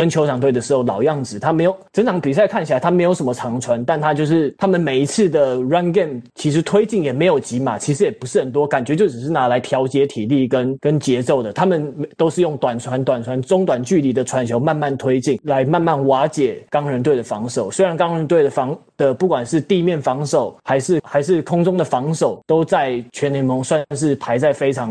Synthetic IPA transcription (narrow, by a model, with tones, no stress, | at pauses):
ə˦nt͡ɕʰo˧˥ʊʂʰɑ˨˩ŋt̪we˥˩ɪdə˩ʂɻ̩˧˥xo˧˩lɑ̰˨˩ʊjɑ˥˩ŋd͡zɹ̩˨˩t̪ʰa˥me˧˥ɪjo˨˩ʊt͡sɤ˥ŋt͡sʰɑ˧˥ŋpi˨˩s̬a˥˧ɪkʰa˥˩nt͡ɕʰa˧˦ɪt̪a˥me˧˥ɪjo˨˥ʊʂə˦mə˦ʈ͡ʂʰɑ˧˥ŋʈ͡ʂʰwa˧˥nt̪a˥˩˧nt̪ʰa˦˥t͡ɕjo˥˧ʊʂɻ̩˥˩t̪ʰa˥mə˨nme˨˩ɪi˧˥t͡sʰɹ̩˥˩d̪ə˩ɹa˦˥nkɛ˥˩mt͡ɕʰi˧˥ʂ̬ɻ̩˧˥t̪ʰwe˥ɪt͡ɕi˥˩ŋjɛ˨˩me˧˥ɪjo˨˩ʊt͡ɕi˧˥ma˨˩t͡ɕʰi˧˥ʂ̬ɻ̩˧˥jɛ˨˩pu˧˥ʂɻ̩˥˩hə˨˩nt̪wɔ˦˥ka˨˩nt͡ɕɥɛ˧˥t͡ɕjo˥ʊʈ͡ʂ̩˨˩ʂɻ̩˥˩na˧˥la˧˦˥ɪt̪ʰjɑ˧˥ʊt͡ɕjɛ˧˥t̪ʰi˨˩li˥˩kə˦˥nkə˦˥nt͡ɕjɛ˧˥t͡so˥˩ʊd̪ə˩t̪ʰa˥mə˨nmt̪o˥ʊʂɻ̩˥˧jʊ˥˩ŋt̪wa˨˩nt͡sʰwa˧˦˥nt̪wa˨˩nt͡sʰwa˧˦nt͡sʊ˥ŋt̪wa˨˩nt͡ɕy˥˨li˧˥d̪ə˨ʈ͡ʂʰwa˧˥nɕʰjo˧˥ʊma˥˧nma˥˩nt̪ʰwe˥ɪt͡ɕi˥˩ŋla˧˥ɪma˥˧nma˥˩nwa˧˥t͡ɕjɛ˨˩kɑ˥ŋɻə˧˦nt̪we˥˩ɪdə˩fɑ˧˥ŋʂo˨˩ʊswe˥ɪɻa˧˥nkɑ˥ŋɻə˧˥nt̪we˥˩ɪdə˩fɑ˧˥ŋd̪̥ə˨˩pu˥˩kwa˨˩nʂɻ̩˥˧t̪i˥˧mjɛ˥˩nfɑ˧˥ŋʂo˨˩ʊxa˧˥ɪʂɻ̩˥˩xa˧˥ɪʂ̬ɻ̩˥˩kʰʊ˥ŋt͡sʊ˥ŋd̪ə˨fɑ˧˥ŋʂo˨˩ʊt̪o˥ʊt͡sa˥˩ɪt͡ɕʰɥɛ˧˥ne˧˥ɪmo˧˥ŋswa˥˧nʂ̬ɻ̩˥˩pʰa˧˥ɪt͡sa˥˩ɪfe˥ɪʈ͡ʂʰɑ˧˥ŋ